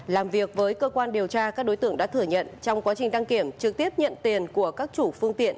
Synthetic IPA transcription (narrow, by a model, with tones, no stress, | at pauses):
laː˨˩mvi˨˩ək̚vəː˨˦jkəː˧kwaː˧nɗi˨˩əwt͡ɕaː˧kaː˦˥k̚ɗo˨˦jt̪ɨ̰˧əŋɗ̰a̰ː˧˥t̪ʰɨ˧˩ɲə̰˧˨nt͡ɕɔ˧wŋ͡mkwaː˨˦t͡ɕï˨˩ŋ̟ɗa˧ŋki˧˩əmt͡ɕɨ˨˩k̚t̪i˦˥əp̚ɲə̰˧˨nt̪i˨˩ənku˧˩əkaː˦˥k̚t͡ɕu˧˩fɨ˧əŋt̪ḭ˧˨ən